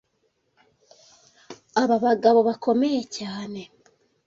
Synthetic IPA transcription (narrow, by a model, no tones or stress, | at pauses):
aβaβaɡaβo̞βako̞mejecaːne̞